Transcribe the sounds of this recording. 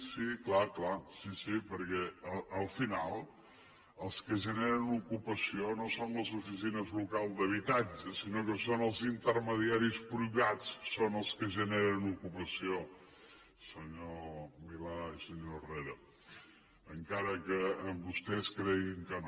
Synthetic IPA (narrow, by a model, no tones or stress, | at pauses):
siklaklasisipəɾkɛəəlˠfinalˠ | əlˠskəʒəneɾənukupəsionosonləzufis̬inəzlukalˠzd̪əβ̞it̪ad͡ʒəsinokəsonəlˠzint̪əɾməðiaɾispɾuβat͡ssonəlˠskəʒəneɾənukupəsio | səɲomilaisəɲoreɾə | əŋkaɾəkəːmbust̪ɛskɾɛɣiŋkən